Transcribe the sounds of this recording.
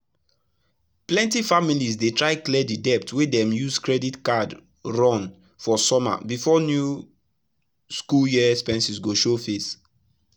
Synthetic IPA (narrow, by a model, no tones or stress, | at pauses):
plɛ̃ntifamilizdetɹaɪklɛdidɛp̚twedɛ̃mjuzkɹɛditkad | ɹɔ̃n | fɔsɔma̰bifɔnju | skuljispɛ̃nsisɡoʃofes